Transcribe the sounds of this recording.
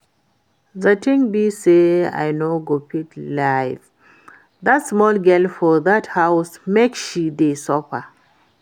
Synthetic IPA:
zatĩŋbisea̰jnoɡopitlajf | ðatsmɔlɡɛlfɔðathawsmekʃidesɔpə

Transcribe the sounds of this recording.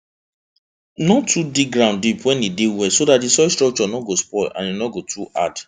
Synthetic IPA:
nɔtʰːudik̚ɡɹãʊ̃ndipwɛ̃nidewɛsodatdisɔstɹɔk̚t͡ʃɔnɔɡospɔlã̰njinɔɡotuʔa̰d

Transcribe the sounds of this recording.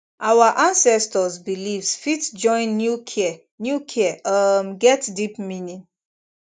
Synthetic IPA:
ʔawaʔãnsɛstɔzbilivsfitd͡ʒɔ̃ɪ̃nːjukʰi | njukʰiaʔʌmɡɛtdipminĩn

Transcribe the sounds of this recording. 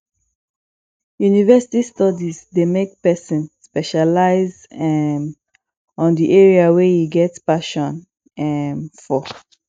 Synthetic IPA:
junivɛsi̥tistɔdizdemek̚pɛsɔ̃nspɛʃalaɪz | ɛm | ɔ̃ndiʔɛɹiawejiɡɛtpaʃɔ̃n | ɛmfɔ

